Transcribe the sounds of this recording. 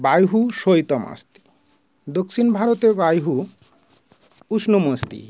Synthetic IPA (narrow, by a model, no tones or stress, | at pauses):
bajɦuʃojt̪ɔma̰st̪i̥ | d̪oksinbʱaɾot̪ebajɦu | uʃnomost̪ḭ